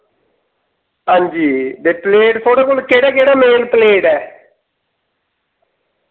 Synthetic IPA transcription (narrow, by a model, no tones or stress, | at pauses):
ɦãːɲd͡ʒiːd̪eːpleːɖsʰoːɽeːkolkeːɽaːkeːɽaːmeːlpəleːɖɛː